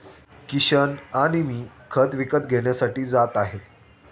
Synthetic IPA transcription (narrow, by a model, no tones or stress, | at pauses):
kiɕənaɽ̃imiː | kʰət̪ʋikət̪ɡʱeɳjasaʈiːd͡zat̪aɦe